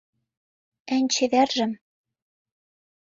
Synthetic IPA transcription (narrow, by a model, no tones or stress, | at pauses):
ænʲt͡ɕĕβærʒɘ̆m